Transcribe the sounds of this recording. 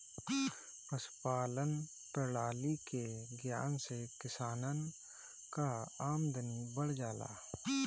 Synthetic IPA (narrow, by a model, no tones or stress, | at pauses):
pɐspaːlən | p̪əlaːlikeɡja̰ːnsekɪsaːnən | kaaːmd̪ɐnibəɽd͡ʒaːla̰ː